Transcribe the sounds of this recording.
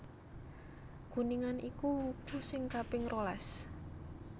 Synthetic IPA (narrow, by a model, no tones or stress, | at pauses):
ɡ̥ṳniŋanikuhukusɪŋkapɪŋrolas